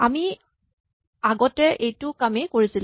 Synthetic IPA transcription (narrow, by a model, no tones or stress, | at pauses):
ami | aɡɔtɛʔejtʊkamekoɹisil